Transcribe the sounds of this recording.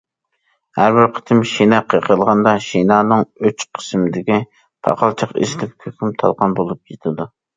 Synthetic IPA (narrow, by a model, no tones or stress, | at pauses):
hæɾbɪɾqʰə̥t̪ʰɪmʃenɑqʰəqʰəlˠʁɑnd̪ɑʃinɑːnɨŋøt͡ʃqʰə̥smɪd̪ɪkʲi | pʰɑ̰qʰɑlˠt͡ʃʰɑqɪ̰ʃlɪk̚ʲkʲʰøkʲʰymt̪ʰɑ̰lˠqɑnbolˠup̚jet̪ʰɪd̪u